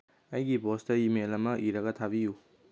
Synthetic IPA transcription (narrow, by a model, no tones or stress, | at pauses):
ɐjɡibostɐimelɐmɐʔiɾɐɡɐtʰabiju